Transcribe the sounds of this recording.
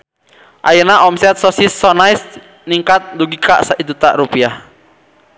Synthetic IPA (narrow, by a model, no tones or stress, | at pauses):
ʔa̰jənaʔɔmsɛt̪̚sɔsisːɔnais | niŋkat̪̚duɡika̰saʔid̪ut̪aʔɾupiah